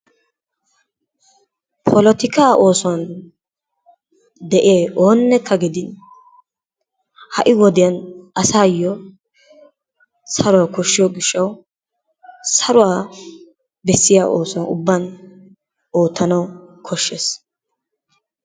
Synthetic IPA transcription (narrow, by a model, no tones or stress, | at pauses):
pʰɔlɔt̪ɪkaːʔo̞ːsɔan | d̪ɛʔɪeːʔo̞ːnːɛkʰːɐɡɪd̪ɪn | hɐʔɪwɔd̪ɪjɐnɐsaːjːɔ | sɐɾʊwakɔʃːɪjɔɡɪʃːɐw | sɐɾʊwaː | bɛsːɪjaːʔoːswaʊ̰bːan | o̞ːt̪ːɐnɐwkʰɔʃːes